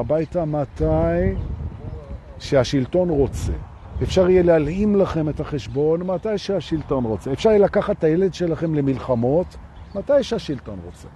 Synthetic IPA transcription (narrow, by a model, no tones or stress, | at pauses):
abajtamataj | ʃehaʃilto̞nʁo̞t͡se̞̰ | efʃaʁijelealimlaχe̞me̞thaχe̞ʃbo̞nmatajʃeaʃilto̞nʁo̞t͡se̞efʃaʁjelakaχatːajele̞dʃe̞laχe̞mle̞milχamo̞t | matajʃeaʃilto̞nʁo̞t͡se̞̰